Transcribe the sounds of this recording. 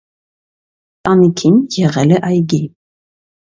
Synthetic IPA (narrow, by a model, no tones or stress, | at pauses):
t̪ʼɑnikʰinjɛʁɛlɛʔɑjɡi